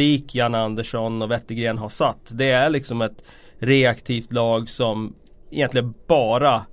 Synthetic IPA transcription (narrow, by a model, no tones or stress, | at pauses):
iːkʰjanand̪əʂɔnɔvɛt̪ːəɡɾeːnɦaʂat̪ːd̪ɛæɾɭɪksɔmɛt̪ | ɾeakt̪ʰiːft̪lɑːɡsɔm | ɪjɛnt̪lɪɡənb̥ɑːɾa